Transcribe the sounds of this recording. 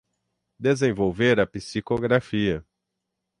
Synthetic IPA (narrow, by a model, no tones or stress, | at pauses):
d̪ezẽvowveɾɐpisikoɡɾafiɐ